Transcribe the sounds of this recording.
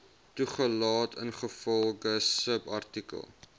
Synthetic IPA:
tuχəlɑːtʰə̰nχəfɔlˠɡəsəpɐrtikə̰lˠ

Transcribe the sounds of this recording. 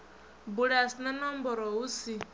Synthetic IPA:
buɺasnanɔmbɔɾɔɦusi

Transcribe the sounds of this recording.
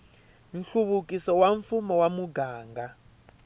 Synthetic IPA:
nɬuβukʼisɔwaɱfumɔwamuɡaːŋɡa

